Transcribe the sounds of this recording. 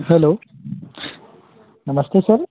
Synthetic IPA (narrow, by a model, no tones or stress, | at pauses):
hɛloː | nɐməst̪esɐɾ